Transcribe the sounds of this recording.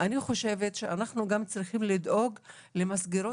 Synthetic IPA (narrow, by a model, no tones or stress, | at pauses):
ʔaniχo̞ʃe̞ve̞tʃeanaχnuɡamt͡sʁiχimlid̪o̞ɡ | le̞masɡiɾo